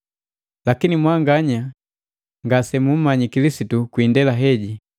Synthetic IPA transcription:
lakinimwaŋɡaɲa | ŋɡasɛmum̩maɲikilisitukwiːndɛlaɦɛɟi

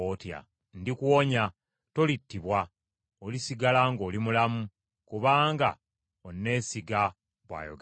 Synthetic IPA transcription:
otja̰ | ndikuwoɲa | to̞litːiβwa | olisiɡalaŋɡo̞ːlimulamu | kuβaːŋɡa̰ | onːe̞ːsiɡa | βwa̰ːjo̰ɡ

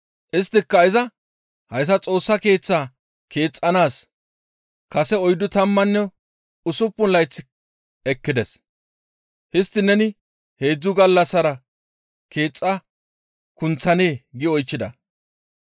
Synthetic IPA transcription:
ʔɪst̪ːɪkːɐɪzɐ | hɐjs̬ɐt͡sʼo̞ːsːɐke̞ːt͡sːaː | ke̞ːt͡sʼːɐnaːs | kɐsɛɔjd̪ʊt̪ɐmːɐnːɛ | ʊsʊpːʊnlɐjt͡sːɪ | ɛkːɪd̪ɛs | hɪst̪ːɪnɛnɪ | he̞ːd͡zːʊɡɐlːɐsːɐɾɐ | ke̞ːt͡sʼːɐ | kʊnt͡sːɐne̞ːɡɪɔjt͡ʃːɪd̪ɐ̰

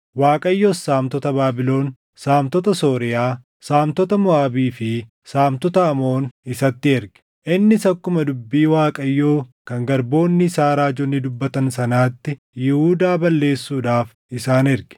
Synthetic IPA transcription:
waːkʼɐjːoːsːaːmt̪ɔt̪ɐbaːbɪlo̞ːn | saːmt̪ɔt̪ɐso̞ːɾɪjaː | saːmt̪ɔt̪ɐmʊaːbiːfɪ | saːmt̪ɔt̪ɐːmo̞ːnɪsɐt̪ːɪɛɾɡ̥ɛ̥ | ʔɪnːɪsɐkːʊmɐd̪ʊbːiːwaːkʼɐjːo̞ːkɐŋɡɐɾbo̞ːnːɪsaːɾaːd͡ʒɔnːɪd̪ʊbːɐt̪ɐnsɐnaːt̪ːɪ | jɪhud̪aːbɐlːe̞ːsːuːᶑaːf | ɪsaːnɪɾɡ̥ɛ̥

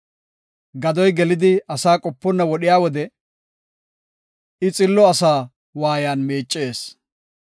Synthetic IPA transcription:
ɡɐd̪ɔjɡɛlɪd̪ɪɐsaːkʼɔpːɔnːɐwɔɗɪjaːwɔd̪ɛ | ɪt͡sʼɪlːɔɐsaː | waːjaːnmeːt͡ʃʼːe̞ːs

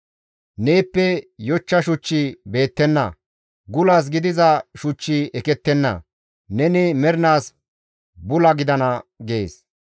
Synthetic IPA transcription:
ne̞ːpːɛjɔt͡ʃːɐʃʊt͡ʃːibe̞ːt̪ːɛnːɐ̰ | ɡʊlaːs̬ɡɪd̪ɪzɐʃʊt͡ʃːiʔɛkɛt̪ːɛnːɐ̰ | nɛnɪmɛɾnaːs | bʊlɐɡɪd̪ɐnɐɡeːs

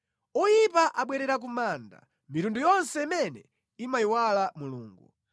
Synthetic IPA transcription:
ɔjipaʔaɓwɛɾɛɾak̬umaːnda̰ | mitundujɔnsɛimɛnɛ | imajiwalamuluːŋɡu

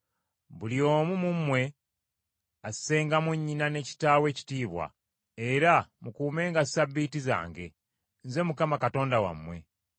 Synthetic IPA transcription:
bulio̞ːmumumwe̞ | asse̞ːŋɡamwuɲːinane̞ci̥taːwe̞ːci̥tiːβwa̰ | eɾamukuːme̞ːŋɡassabːitiza̰ːŋɡe̞̰ | nze̞mukamakato̞ːndawa̰mwe̞

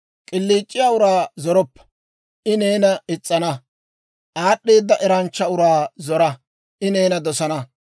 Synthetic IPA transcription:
kʼɪlːiːt͡ʃʼːɪjaːʊɾaːzɔɾɔpːɐ̥ | ʔɪne̞ːnɐɪt͡sʼːɐnɐ | ʔaːɗːe̞ːd̪ːɐʔɛɾɐnt͡ʃːɐʊɾaːzɔɾɐ | ʔɪne̞ːnɐd̪ɔsɐnɐ

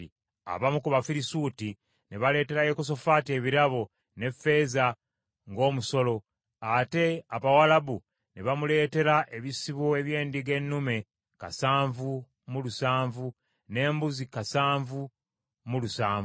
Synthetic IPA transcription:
i | a̰βamukuβafiɾisuːti | neβale̞ːte̞ɾajekos̬o̞faːtie̞βiɾaβo̞ | ne̞fe̞ːza | ŋɡo̞ːmuso̞lo̞ | ate̞aβawalabu | neβamule̞ːte̞ɾaʔe̞βisiβoeβje̞ːndiɡe̞nːume̞ | kasaːɱvu | mulusaːɱvu | ne̞ːmbuzikasaːɱvu | mulusaːɱv

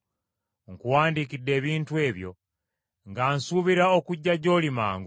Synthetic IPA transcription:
ŋkuwaːndikidːe̞ːβiːntue̞ːβjo̞̰ | ŋɡaːnsuβiɾaokuɟːaɟo̞ːlima̰ːŋɡo

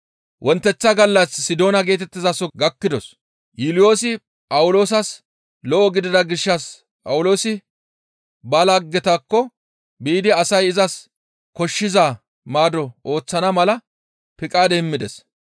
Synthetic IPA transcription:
wʔɔnt̪ːɛt͡sːɐɡɐlːɐsːɪd̪o̞ːnɐɡe̞ːt̪ɛt̪ːɪzɐsɔɡɐkːɪd̪ɔs | jɪlɪjo̞ːsɪ | pʼɐwʊlo̞ːs̬ɐs | lɔʔɔɡɪd̪ɪd̪ɐɡɪʃːɐs | pʼɐwʊlo̞ːsɪ | bɐlɐɡːɛt̪ɐkːɔ | biːd̪ɪɐsɐjɪzɐs | kɔʃːɪza | maːd̪ɔʔo̞ːt͡sːɐnɐmɐlɐ | pɪkʼaːd̪ɛmːɪd̪ɛs

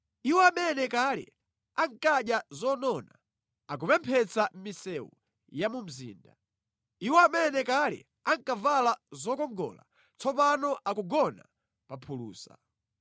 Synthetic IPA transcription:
iwɛamɛnɛkalɛ̰ | aŋkaɗjazɔnɔna | ak̬upɛmpʰɛt͡sam̩misɛwṵ | jamum̩zḭːnda | iwɛamɛnɛkalɛ̰ | aŋkavalazɔkɔŋɡɔ̰la̰ | t͡sʰɔpanɔʔakuɡɔna | papʰulṵːsa̰

